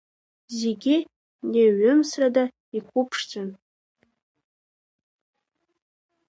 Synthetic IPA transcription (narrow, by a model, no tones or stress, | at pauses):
zeɡʲɪ | neɥʏmsrada | ikʷupʰʂt͡sʼan